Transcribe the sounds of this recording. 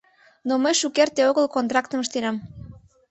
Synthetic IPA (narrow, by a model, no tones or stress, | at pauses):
noməjʃukert̪eoɣəlkont̪ɾɑk̚t̪əməʃt̪eɾɑm